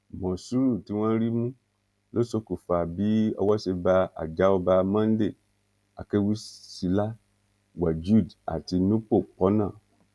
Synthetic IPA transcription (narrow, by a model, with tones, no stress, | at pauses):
mɔ̃˨su˦ɾu˦˨ti˦w̃ɔ̃˦ɾi˦mũ˦ | lo˦so˧˦ku˨fa˨bi˦ɔ̰˧wɔ˦ʃe˧ba˧a̰˨d͡ʒa˨˦ɔ˧ba˧mã˦n̩˦de˦˨ | a˨ke˦wi˦si˨˧la˦ | wa˨d͡ʒu˦˨da̰˨ti˧nũ˦k͡po˦˨k͡pɔ˦nãː˦˨